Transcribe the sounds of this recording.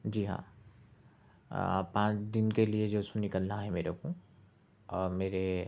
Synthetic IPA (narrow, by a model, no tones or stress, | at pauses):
d͡ʒiːɦã̰ː | pãːt͡ʃd̪inkelijed͡ʒosũnikəlnaɦɛmeːɾokũ | ɔːɾmeːɾe